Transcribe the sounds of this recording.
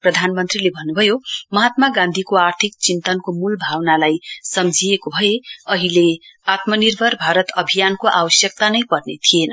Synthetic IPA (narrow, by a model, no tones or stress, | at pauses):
prʌd̪ʱanmʌnt̪rilebʱʌnːubʱʌjomʌɦat̪̚maɡãnd̪ʱikoart̪ʰik̚t͡sint̪ʌnkomulbʱawnalajsʌmd͡zʱiekobʱʌjeʌɦileat̪mʌnirbʱʌrbʱaɾʌt̪ʌbʱijankoʔawʌsjʌk̚t̪anʌjpʌrnet̪ʰijenʌ